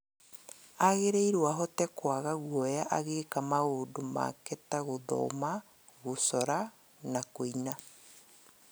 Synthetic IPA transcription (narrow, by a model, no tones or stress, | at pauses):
aɣeɾeiɾwaɦɔtɛkwaɣaɣwɔjaʔaɣeːkamaoːdoma̰kɛtaɣoðɔ̰ma | ɣosɔɾa | nakoina